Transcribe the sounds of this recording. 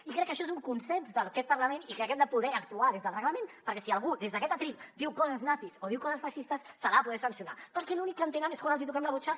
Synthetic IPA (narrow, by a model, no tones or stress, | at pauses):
ikɾɛkːəʃɔezuŋkunsɛnzðəlkɛt̪̚pəɾləmẽnikɛkɛmd̪əpuðɛək̚t̪uaðezðəlˠrəɣləmẽnpəɾkɛsiəlˠɣ̞uðezðəkɛt̪ət̪ɾild̪iwkɔzəznaθisoðiwkɔzəsfaʃist̪əsːaɾapuð̞ɛsɐnsiuna̰pəɾkɛlunikːənt̪enɛmeskwanalˠzit̪ukɛmləβut͡ʃa